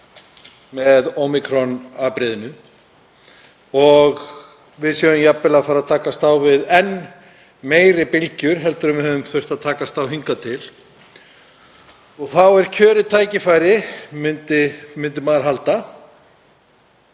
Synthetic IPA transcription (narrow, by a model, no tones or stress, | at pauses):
mɛðomɪkʰɾɔnaːpɾɪːðɪnʏ | ɔɣ | vɪðsjɔʏmjapːɪlafaɾaðt̪ʰaːkast̪awvɪðɛn | meːjɾɪpɪlcʏɾ̥ɦɛlt̪ʏɾʏmvɪhɦœvʏmθœr̥t̪aðt̪ʰaːkast̪awɦiŋkat̪ʰɪl | ɔɣθawɛɾ̥cʰœːɾɪt̪ʰaːjcɪfajɾɪmʏnt̪ɪmɪnt̪̬ɪmaːɾɦalt̪a